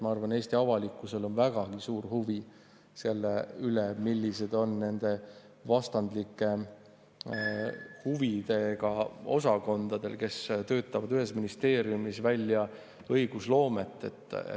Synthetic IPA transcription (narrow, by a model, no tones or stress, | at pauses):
mɑɑrvɑne̞ːst̪iɑvɑlikːˑuse̞lo̞nvæɡ̥ɑɡ̥isuːrhuvi | selːeylemilːise̞d̪̥o̞nne̞nd̪̥e̞ | vɑst̪ɑnd̪likːˑe̞ | huvid̪̥e̞ɡ̥ɑo̞sɑko̞nd̪̥ɑd̪̥e̞lke̞st̪ø̞ːt̪ːˑɑvɑd̪yɦe̞sminist̪e̞ːɾjumisvælʲːjɑ | ɤjɡ̥uslo̞ːme̞t̪ːˑe̞t̪ːˑ